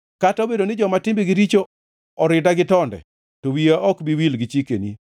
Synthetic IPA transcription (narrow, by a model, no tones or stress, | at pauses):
katobedonɪd͡ʒɔmatɪmbiɡɪɾit͡ʃo | ɔɾɪdaɡɪtɔndɛ̰ | towiaʔɔkbiwilɡɪt͡ʃikḛnḭ